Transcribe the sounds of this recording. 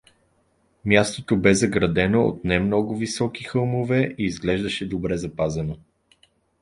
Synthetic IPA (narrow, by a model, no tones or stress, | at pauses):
mjast̪ot̪obɛzɐɡɾɐd̪ɛnoo̰t̪nɛmnɔɡʊvisɔkixɤlˠmovɛiːzɡlɛʒd̪əʃɛd̪obɾɛzɐpazɐno